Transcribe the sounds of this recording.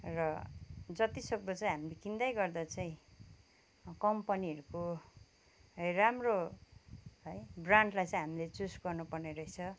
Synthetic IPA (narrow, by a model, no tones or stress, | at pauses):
rʌd͡zʌt̪isʌk̚d̪ʌt͡saĩɦamilekind̪ajɡʌrd̪at͡saĩ | kʌmpʌniʌɾuko | ɦʌjramro | ɦʌjbraɳɖlajt͡sãĩɦamilet͡susɡʌrnupʌrneɾʌit͡sʰʌ